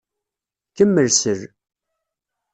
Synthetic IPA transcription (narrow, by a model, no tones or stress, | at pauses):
kəmːəlsəɾ